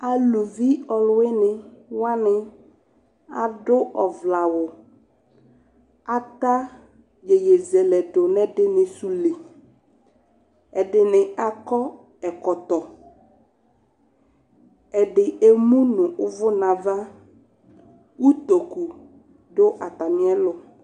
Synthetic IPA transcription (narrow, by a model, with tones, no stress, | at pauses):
a˨lu˨vi˦ɔ˨lʊ˦ɪ˦nɪ̃˨wa˦nɪ˨ | a˨dʊ˦ʔɔ˨vla˨wʊ˨ | a˨t̪a˦ | je˨je˨zɛ˨lɛ˨dʊ˨nɛ˦dɪ˦nɪ̃˨su˨le˨ | ɛ˨dɪ˨nɪ˨a˨kɔ˦ | ɛ˨kɔ˨t̪ɔ˨ | ɛ˨dɪ˨e˨mũ˦nʊ̃˨ʔʊ˦vʊ˦nã˨va˦ | wu˦t̪o˨ku˨ | dʊ˦ʔa˨t̪a˨mɪ̃˦ɛ˦lʊ˨